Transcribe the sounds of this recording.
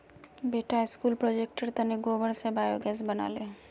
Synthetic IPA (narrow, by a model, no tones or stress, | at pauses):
beːʈaɪskuːlpɾoːd͡ʒeːk̚ʈəɾt̪ɐneɡoːʋəɽsebaːjoɡɛːsbɐna̰ːleː